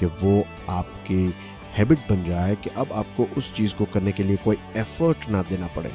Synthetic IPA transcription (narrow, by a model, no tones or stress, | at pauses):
keʋo | aːpki | hɛːbɪʈ̚bɐnd͡ʒaːekeʔɐbaːp̚koʔʊst͡ʃiːzkokɐɾnekeliekoːiɛːfəɾʈnɐd̪eːnapɐ̰ɽḛː